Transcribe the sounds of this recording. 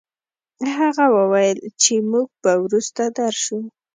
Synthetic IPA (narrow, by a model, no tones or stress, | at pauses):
ɦaɣawəwajəlt͡ʃemuɡ̚pawɾust̪ad̪aɾʃu